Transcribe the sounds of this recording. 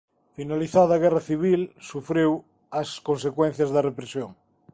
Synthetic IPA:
finaliθaðːɣɛraθiβ̞ilsufɾew | ɐskõnsekwẽn̟θjɐzðɐrepɾesjoŋ

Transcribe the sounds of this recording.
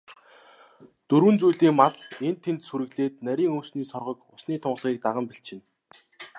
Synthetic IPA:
t̪ɵɾwɘ̆nt͡sujɮiːŋmatent̪ʰːent̪suɾɘ̆ɣɮeːt̪næɾʲiːŋɵwsniːsɔrʁɞ̆kʊsniːt̪ʰʊɴɢ̆ɮʁiːk̚t̪aʁə̆mpiɬt͡ɕɪ̆n

